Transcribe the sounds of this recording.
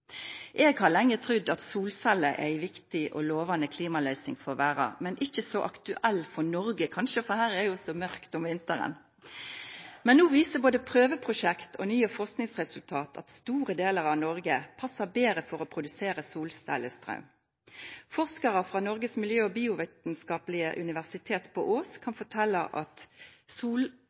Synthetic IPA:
ʔeːɡhɑʁlɛŋːət̪ʰʁʏd̪ɑt̪suːlsælːəʔæ̰æɪʋɪkt̪ɪʔɔloːʋɑnəkʰliːmɑlœʏsɪŋfɔʋæːʁɑ̰mɛnʔɪçəsɔʔɑkt̪ʉʔɛlfɔnɔɾɡəkʰɑnʃəfɔhæːʁɛjʊsɔmœʁkt̪ʊmʋɪnt̪əɾə̰n | mɛnnuːʋiːsəboːd̪əpʰʁøːʋəpʰʁʊʂɛkt̪ʰɔ̰nyːəfɔʁsknɪŋsʁɛsʉlt̪ʰɑːt̪ʰɑ̰t̪st̪uːʁəd̪eːləʁɑʋnɔʁɡəpʰɑsːɑbeːʁəfɔʁɔpʰɾʊd̪ʉseːɾəsuːlst̪æ̰ɪləst̪ʁɑ̰ʉm | fɔʁskɑʁəfʁɑnɔʁɡəsmɪljøːɔbiːʊʋeːt̪nskɑːplɪəʔʉnɪʋæʁsɪt̪ʰeːt̪pʰɔʔoːskʰɑnfɔʈʰɛlːəʔɑt̪suːl

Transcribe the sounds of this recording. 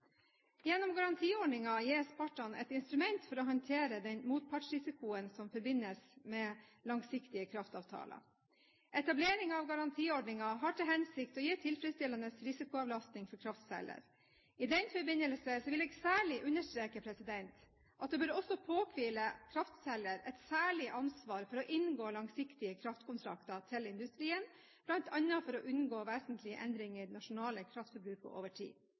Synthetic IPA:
jɛnːɔmɡɑɾɑnt̪ʰiːɔɖɳɪŋɑjiːɾspɑʈːɑnɛ̰t̪ɪnst̪ɾʉmɛnt̪fɔɾɔɦɑnt̪ʰeːɾəd̪ɛnmuːt̪̚pʰɑʈʂɾɪsɪkʊənsɔmfɔɾbɪnːəsmɛːlɑŋsɪkt̪ɪəkʰɾɑft̪ɑːʋt̪ʰɑ̰ːlə̰ | ʔɛt̪ɑbleːɾɪŋɑʋɡɑɾɑnt̪ʰiːɔɖɳɪŋɑɦɑʈʰɪlɦɛnsɪkt̪ɔjiːʈʰɪlfɾəst̪ɪlɑnəsɾɪsɪkʊɑʋlɑst̪nɪŋfɔɾkʰɾɑft̪sɛ̰lə̰ɾ | ɪd̪ɛnfɔɾbɪnːəlsəsɔʋɪleːɡsæːɭɪʔʉnəʂʈ̪ɾeːkəpʰɾɛsɪd̪ɛnt̪ | ʔɑt̪̚d̪ɛbøːɾɔsːɔpʰoːkʰʋiːləkʰɾɑft̪sɛlːəɾɛt̪sæːɭɪʔɑnsʋɑːɾfɔɾɔʔɪnɡoːlɑŋsɪkt̪ɪəkʰɾɑft̪kʊnt̪ʰɾɑ̰kt̪ɑt̪ʰɪlɪnd̪ʉst̪ɾiːən | b̥lɑnt̪ʰɑnːɑfɔɾɔʔʉnɡoːʋeːsənt̪ʰlɪəʔɛnd̪ɾɪŋənɑʂʊnɑːləkʰɾɑft̪fɔɾbɾʉːkə̰ʔo̰ːʋəʈʰḭː

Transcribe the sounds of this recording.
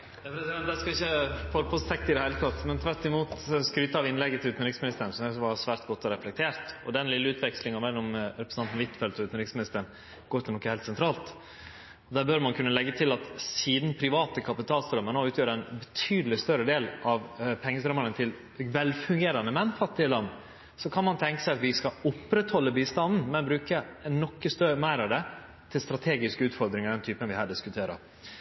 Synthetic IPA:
ɛɛd̪ɛskɑɪçːəfɔːɾəpʰɔst̪ʰɛk̚t̪əɪd̪ɛhæɪlət̪ʰɑt̪ːmɛnt̪ʰʋæɾt̪ːɪmuːt̪skɾyːt̪əɑʋɪnlɛɡːət̪ʰɪlʉːt̪nɾɪksmɪnɪst̪əɳ̩sɔmæʋɑsʋæːɾt̪̚ɡɔt̪ːɔɾɛflɛk̚t̪ʰeːɾt̪ɔd̪ɛnlɪlːəʉːt̪ʋɛkslɪŋɑmɛlːɔmɾɛpɾəsnɑnt̪n̩ʋɪt̪ːfɛlt̪ɔʉːt̪n̩ɾɪksmɪnɪst̪əɳ | ɡ̥oːɾt̪ɪlɔkːəheːlt̪sɛnt̪ʰɾɑːlt̪ | ɔd̪æːbœɾmɑnkʰʉnːəlɛɡːət̪ʰɪlɑt̪siːd̪n̩pʰɾɪʋɑːt̪əkʰɑpɪt̪ʰɑːlst̪ɾœmːənoʉːt̪jøːɾəænbɛt̪ʰyːd̪lɪst̪œɾəd̪eːlʔɑʋpʰɛŋːəst̪ɾœmːəɳət̪ʰɪl | ʋɛlfʉŋɡeːɾɑnəmɛnːfɑt̪ːɪəlɑnː | sɔkʰɑnmɑnt̪ʰɛŋkə̥sæɪɑt̪ʋɪskɑʊpːɾɛt̪hɔlːəbiːst̪ɑnd̪n̩mɛnbɾʉːkənːɔkːəst̪œmæɪɾɑʋd̪ɛ | t̪ʰɪlst̪ɾɑt̪ʰeːɡɪskəʉːt̪fɔɾd̪ɾɪŋəɾd̪ɛnt̪ʰyːpənʋɪhæːɖɪskʉt̪ʰeːɾə̰ɾ

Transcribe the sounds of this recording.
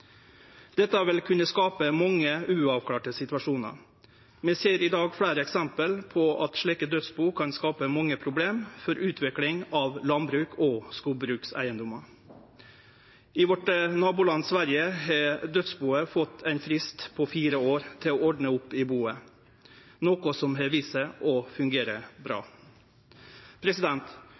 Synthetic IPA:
d̪̥ɛt̪ːəæʋɪlkʰʉnəskɑːpəmɑŋːəʉːɑʋkʰlɑːʈəsɪt̪ʋɑʂuːnə̰ɾ | mɛseːɾɪd̪ɑːɡfɽæːɾəɛksɛmpəlpʰɔʔɑt̪ʂɭiːkəd̪œt̪sbuːkʰɑnskɑːpəmɑŋːəpʰɾʊbleːmfɔɾʔʉːt̪ʰʋɪklɪŋɑʋlɑnbɾʉːkʰoskuːlbɾʉːksæ̰ɪənd̪ʊmɑ | ɪʋɔʈənɑːbʊlɑnːsʋæɾjəhɛd̪œt̪sbuːəfɔt̪ːʰæɪnfɾɪst̪pʰɔfiːɾəoːɾt̪ʰɪlɔɔɖnəʊpːɪbuːə | noːkʊsɔmɦɛʋiːsəʔɔfʉŋɡeːɾəbɾɑ̰ː | pʰɾɛsɪd̪ɛnt̪

